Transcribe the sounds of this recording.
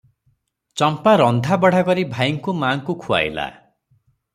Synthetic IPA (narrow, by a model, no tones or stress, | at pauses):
t͡ʃɔmpaɾɔnd̪ʱabɔɽ̤akɔɾibʱajiŋkumaːŋkukʰua̰jla̰